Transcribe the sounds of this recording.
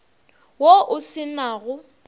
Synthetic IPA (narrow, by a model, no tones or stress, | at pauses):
woʔʊsɪnaːɣʊ